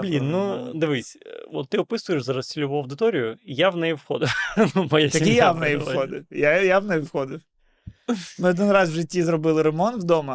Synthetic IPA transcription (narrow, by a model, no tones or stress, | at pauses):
blʲinːud̪ɨʋɪsʲɔt̪ːɪɔpɪsʊjɪʃzɐɾɐsʲtʲɪlʲʊʋuɐwd̪ɪt̪ɔɾʲijʊijaʋnɛjifxɔ̰d̪ɪwnumɐjast̪ɐikijaʋnɛjifxɔd̪ɪwjajaʋnɛjfxɔd̪ɪw | nʊɔd̪ɪnrɑsʒɪtʲːizrɔbɪlˠɪɾemɔnt̪wd̪omɐ